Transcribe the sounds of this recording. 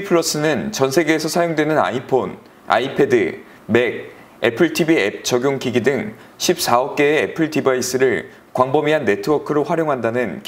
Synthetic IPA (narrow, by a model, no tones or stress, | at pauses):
ipʰɯɭʌs͈ɯnɯnt͡ɕʌnsʰe̞ɡe̞ːsʰʌsʰajoŋdwe̞nɯna̰ipʰon | a̰ipʰe̞dɯ | me̞ɡ̚ | e̞pʰɯɭtʰibiḛp̚t͡ɕʌɡjoŋkiɡidɯŋ | ɕʰip̚s͈aʌp̚k͈e̞ːepʰɯɭtibais͈ɯɾɯɭ | kwaŋbʌmiɦanːe̞tʰɯwʌkʰɯɾoɸwaɾjoŋɦandanɯnk